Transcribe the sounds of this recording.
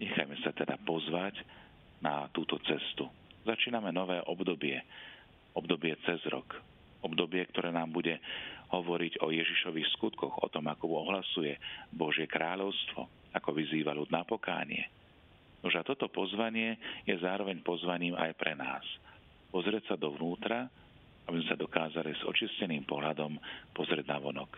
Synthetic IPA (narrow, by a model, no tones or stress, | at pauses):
ɲɛxa̰jmɛsat̪ɛd̪apɔzʋac | nat̪uːt̪ɔt͡sɛst̪u | zat͡ʃiːnamɛnɔʋɛːʔɔbd̪ɔbɪɛ | ɔbd̪ɔbɪɛt͡sɛzɾɔ̰k | ɔbd̪ɔbɪɛk̚t̪ɔɾɛːnaːmbuɟɛɦɔʋɔɾiɟɔjɛʒiʃɔʋixskut̪kɔɣɔ̰t̪ɔmakɔɔɦlasujɛbɔʒɪɛkɾaːʎɔʊst̪ʋɔ̰ | akɔʋiziːʋaʎud̪napɔka̰ːɲɪ̰ɛ̰ | nuʒat̪ɔt̪ɔpɔzʋaɲɪɛjɛzaːɾɔʋɛɲpɔzʋaɲiːma̰jpɾɛnaːs | pɔzɾɪɛcsad̪ɔʋnuːt̪ɾa | abizmɛsad̪ɔkaːzaliz̥ɔ̰t͡ʃiscɛniːmpɔɦlad̪ɔmpɔzɾʲɪɛɟnaʋɔnɔk